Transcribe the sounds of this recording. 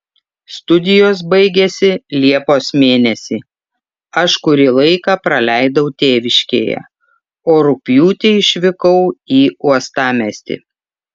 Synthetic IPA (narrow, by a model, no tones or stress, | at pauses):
st̪ʊd̪ʲɪjoːs̬bɐɪɡʲɛsʲɪlʲiɛpoːsmʲeːnʲɛsʲiː | ɐʃkʊɾʲilˠɐɪkɑːpɾɐlʲæˑɪd̪ɐʊt̪ʲeːʋʲɪʃʲkʲḛːjɛ̰ | oːɾʊpʲjuːt̪ʲeɪʃʲʋʲɪkɐʊiːuɔst̪ɑːmʲɛsʲt̪ʲɪ̰